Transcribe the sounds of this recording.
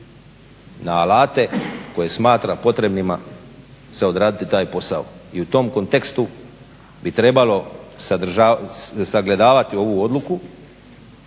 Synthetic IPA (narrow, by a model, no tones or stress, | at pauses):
naːlaːt̪e̞ko̞je̞smaːt̪ɾapo̞t̪ɾe̞bnima | se̞o̞d̪ɾaːd̪it̪it̪aːjpo̞sa̰o̰iut̪o̞ːmko̞nt̪e̞kst̪u | bit̪ɾe̞balo̞ad̪r̩ʒasaɡle̞d̪aːʋat̪io̞ʋuo̞d̪luku